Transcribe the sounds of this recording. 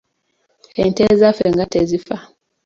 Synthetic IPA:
hɛntɛzafeŋɡatezifa

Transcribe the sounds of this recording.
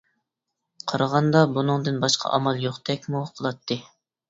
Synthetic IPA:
qʰɑɾɑʁɑnd̪ɑbunɨŋd̪ɨnbɑʃqʰɑ̰ʔɑ̰mɑlˠjoχt̪ʰɛkʲmuqʰəlˠɑt̪ʰːɨ

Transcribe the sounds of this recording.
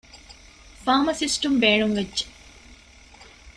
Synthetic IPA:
faːmɐsisʈɐmbeːɳuŋʋedʒe̥

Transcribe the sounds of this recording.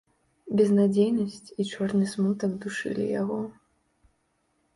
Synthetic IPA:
bʲɛznad͡zʲejnɐsʲt͡sʲit͡ʂɔrnɨsmut̪ɐɡd̪uʂɨ̰lʲḭjaɣɔ

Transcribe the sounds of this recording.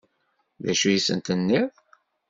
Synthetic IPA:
ðæ̰ʃujisə̰nt̪ənːɪðˤ

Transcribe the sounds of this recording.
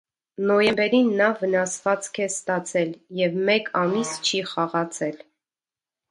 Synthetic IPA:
nɔjɛmbɛɾinːɑvənɑsvɑt͡skʰɛst̪ɑt͡sʰɛljɛvmɛkʰɑmist͡ʃʰiχɑʁɑt͡sʰɛl

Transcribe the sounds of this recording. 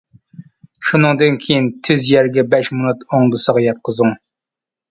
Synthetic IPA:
ʃunɨŋd̪ɨnkʲʰejint̪ʰyzjɛɾɡʲɛbɛʃmonut̪oŋd̪ɨsəʁɑjɑt̪̚qʰəzuŋ

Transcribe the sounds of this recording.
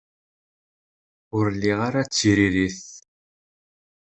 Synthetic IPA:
ʊɾlːiʁaɾat͡sːiɾiɾiθ

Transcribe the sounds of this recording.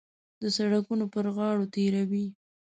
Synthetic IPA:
d̪əsaɽakunopəɾɣɑɽot̪eɾawi

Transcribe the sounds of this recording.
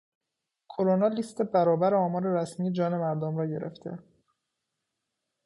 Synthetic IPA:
kʰoɾonɒːliːst̪e̞bæɾɒːbæɾeɒːmɒːɾe̞ɾæsmiːed͡ʒɒːne̞mæɾd̪omɾɒːɟe̞̰ɾḛft̪ʰe̞̰

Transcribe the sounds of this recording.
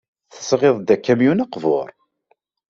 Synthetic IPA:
θə̥sʁeðˤd̪ækːæmjunaqvo̰ɾˤ

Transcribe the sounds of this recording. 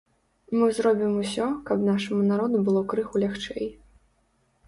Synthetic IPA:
mɨzɾɔbʲimusʲɔkɐbnaʂɐmunaɾɔd̪ubɨlˠɔkɾɨxulʲaxt͡ʂɛ̰j

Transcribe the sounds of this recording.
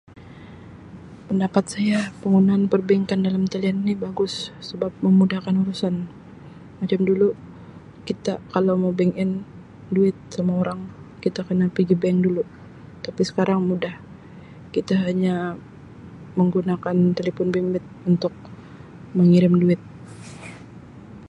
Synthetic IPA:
pəndapat̪̚sajapəŋɡunaːnpərbɛŋkandalamt̪alianinibaɡʊsːəbap̚məmudahkanuɾusan | mat͡ʃamdulu | kit̪akalawmabɛŋɪn | duɪt̪̚samaoɾaŋkit̪akərnapiɡibɛŋdulu | t̪apisə̥kaɾaŋmudah | kit̪aɦaɲa | məŋɡunakant̪elefɔnbiŋbɪt̪̚unt̪ʊk̚ | məŋiɾɪmduɪt̪̚

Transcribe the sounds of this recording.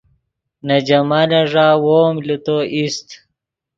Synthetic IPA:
nɐd͡ʑɐmanɐʐaːwoːmlut̪oʔist̪

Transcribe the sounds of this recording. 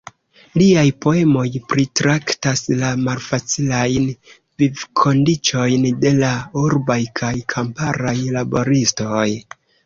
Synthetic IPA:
liajpo̞e̞mo̞jpɾitɾaktaslamalfat͡silajn | vivkʰo̞ndit͡ʃo̞jnde̞lauɾbajkʰajkʰampaɾajlabo̞ɾisto̞j

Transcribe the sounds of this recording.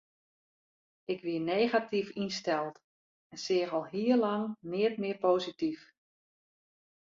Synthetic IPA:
ɪkʋiəneːɣatifinstɛlˠt | ɛnsɪːxɔlˠɦiərlɑŋnɪətmɪəɹpoːzitif

